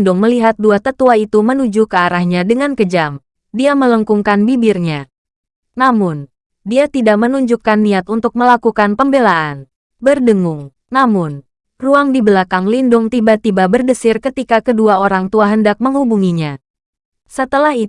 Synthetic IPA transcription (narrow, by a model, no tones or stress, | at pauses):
ndʊŋməliɦat̪̚duat̪ət̪uait̪umənud͡ʒukəaɾahɲadəŋankəd͡ʒam | diamələŋkuŋkanbibɪrɲa | namʊn | diat̪idaʔmənuɲd͡ʒukanːiat̪unt̪ʊk̚məlakukanpəmbelaan | bərdəŋʊŋ | namʊn | ruaŋdibəlakaŋlindʊŋt̪ibat̪ibabərdəsɪrkət̪ikakəduaoɾaŋt̪uaɦəndak̚məŋɦubuŋiɲa | sət̪əlahi